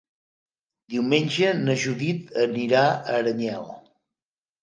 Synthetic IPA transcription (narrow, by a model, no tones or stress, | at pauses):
d̪iwmenʲd͡ʒənəʒuðit̪əniɾaəɾəɲɛlˠ